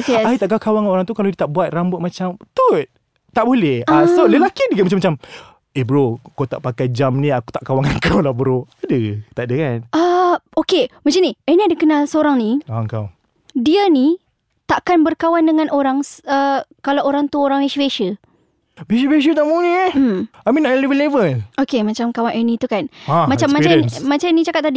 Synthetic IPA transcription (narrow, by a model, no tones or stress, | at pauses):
ɛsaiaʔkakawaŋanoɾaŋt̪ukaladiət̪aʔbuat̪̚rambʊt̪̚mat͡ʃamt̪ut̪̚ | t̪aʔbolɛhasoləlakidiɡamat͡ʃamːat͡ʃam | ehbəɾokawt̪aʔpakajd͡ʒamnĩaku̥t̪aʔkawaŋaŋkawlahbəɾoadət̪aʔdakanʔəokemat͡ʃamniɛniadəkənalsəoɾaŋniaəŋkaw | diəni | t̪aʔkanbərkawandəŋãnʔoɾaŋsəkalawoɾaŋt̪uoɾaŋwesiveʃə | besibeʃ̬ət̪aʔmuni | amĩnaʔlivəlevəlokemat͡ʃamkawanʔənit̪ukanamat͡ʃammːat͡ʃamat͡ʃamnit͡ʃakat̪̚t̪ːadi